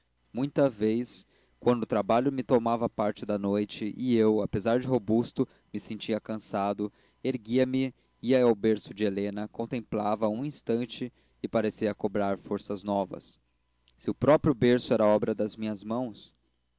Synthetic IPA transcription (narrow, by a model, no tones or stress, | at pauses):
mũj̃t̪ɐvejs | kwɐ̃nd̪ʊt̪ɾabaʎʊmɪt̪omavɐpaɾt͡ʃɪd̪ɐnojt͡ʃɪʔɪewapezaɾd͡ʒɪɦobust̪ʊ | mɪsẽnt͡ʃiɐkɐ̃sad̪ʊ | eɾɡiɐmɪ | iɐawbeɾsʊd͡ʒɪelẽnɐkõt̪ẽmplavɐũĩst̪ɐ̃nt͡ʃɪ | ɪpaɾesiɐkobɾaɾfoɾsɐznɔvɐ̰sː | ɪʊpɾɔpɾjʊbeɾsʊɛɾɐɔbɾɐd̪ɐzmĩɲɐzmɐ̃w̃s